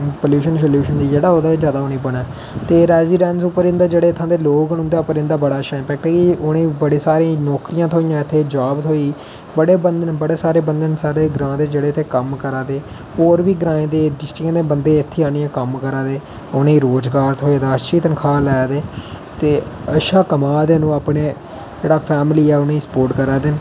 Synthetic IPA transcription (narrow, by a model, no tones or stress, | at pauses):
pəljuːʃənsəljuːʃənd̪iːd͡ʒeːɽaːɦoːd̪aːed͡ʒjaːd̪aːʊnẽːbəɳɛː | t̪eːɾɛːziːɖɛ̃ːnsʊpːəɾɪ̃nd̪aːd͡ʒeːɽeːɪt̪ʰːãːd̪eːloːɡɡəñũnd̪aːʊpəɾɪ̃nd̪aːbəɽaːʃãːmpɛːk̚ʈɛːkiʊɽẽːbəɽeːsaːɾẽːnɔːkɾijãːt̪ʰoːijãːɪt̪ʰːeːd͡ʒaːbt̪ʰoːiː | bəɽeːbənd̪ənbəɽeːsaːɾeːbənd̪ənsaːɾeːɡɾãːd̪eːd͡ʒeːɽeːt̪ʰeːkəmkəɾãːd̪eː | oːɾʋiːɡɾãːẽːd̪eːɖɪsʈɪkãːd̪eːbənd̪eːɪt̪ʰːeːaːniːãːkəmkəɾãːd̪eː | ʊnẽːɾoːzɡaːɾt̪ʰɦoːeːd̪aːʃiːt̪ənkʰaːlɛːd̪eː | t̪eːəʃaːkəmaːd̪eːnũːaːpɳeː | d͡ʒeːɽaːpʰɛːmliːɛːʊnẽːsə̥poːɾʈkəɾaːd̪ɪn